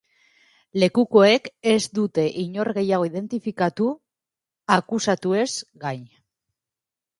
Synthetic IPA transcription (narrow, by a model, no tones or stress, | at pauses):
le̞kuko̞e̞ke̞zd̪ut̪e̞ʔiɲo̞ɾɣe̞jaɣ̞o̞iðe̞nt̪ifikat̪u | akusat̪ue̞zɡaɲ